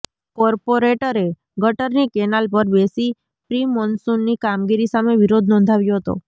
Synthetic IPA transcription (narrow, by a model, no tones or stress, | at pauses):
kɔɾpoɾeʈəɾe | ɡʱəʈəɾnikenalpəɾbesi | pɾimɔnsunːikamɡiɾisameʋiɾod̪ʱnɔ̃nd̪ʱaʋjoɦət̪o̰